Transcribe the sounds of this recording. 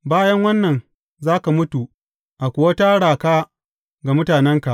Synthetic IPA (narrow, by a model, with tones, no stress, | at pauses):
baː˦jɐ˦ŋwɐ˦nːɐ˨n | zaː˦ka˨mʊ˦tu˨ | ʔa˨kʷʊ˨wa˦taː˦ɽaː˨kaː˦ | ɡa˨mʊ˦taː˨nɛ˦ŋka˨ʔ